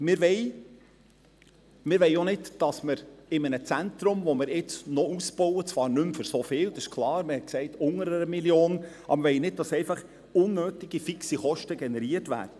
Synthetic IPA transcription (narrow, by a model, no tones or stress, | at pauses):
mɪɾʋɛɪ | mɪɾʋɛɪonɪdd̥ɑsməɾɪmənət͡sænt̪ɾʊmvɔmɪɾɪt͡snɔusb̥ɔwət͡sʋɑːɾnɵmfʏɾsofɪːld̪ɑsɪʃkʰlˠɑːɾmɪɾhɛt̚ksɛɪtʊŋəɾəəmiljoːnʔɑ̰bəvɛjnɪd̚d̥ɑsɛɪfɑχ | ʊnːøːtiɡ̥ifiksiχɔʃtəɡɛnɛɾiətvæ̰ːɾd̥ə